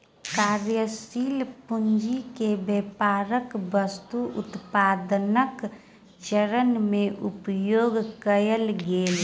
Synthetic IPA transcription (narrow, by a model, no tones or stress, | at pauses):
kaːɾjəsiːlpʊnd͡ʒikebeːpaːɾəkbəst̪uʔʊ̰t̪paːd̪nək | t͡ʃəɾənmẽʔʊpjoːɡkəjəlɡeːl